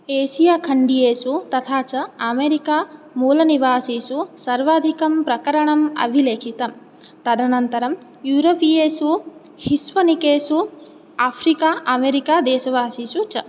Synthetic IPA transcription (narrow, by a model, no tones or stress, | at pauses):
eːʃijaːkʰɐɳɖijeːsut̪ɐt̪ʰaːt͡ʃɐɐmeːɾikaː | muːlɐniʋaːsiːsusɐɾʋaːd̪ʱikɐmpɾɐkɐɾɐɳɐmɐ̰bʱileːkʰit̪ɐm | t̪ɐd̪ʱɐnɐnt̪ɐɾɐm | juːɾoːpijeːsu | hisʋɐnikeːsu | aːpʰɾikaːʔɐmeːɾikaːd̪ɛːʃɐʋaːsiːsut͡ʃɐ